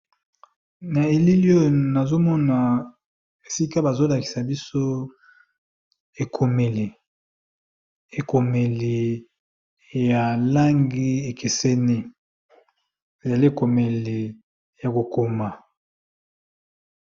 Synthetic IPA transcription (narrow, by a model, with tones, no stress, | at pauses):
na˨e˨li˦li˦o˦˨na˨zo˦mɔ˦na˨ | e˨si˦ka˦ba˨zo˦la˨ki̥˨sa˨bi˦so˦ | e˨kʰo˨me˨li˨ | e˨ko˨me˨li˨ | ja˨la˦ŋɡi˦e˨kʰe˨se˦ni˦ | e˨za˨li˦e˦˨ko˨me˨li˨ | ja˨ko˨ko˨ma˨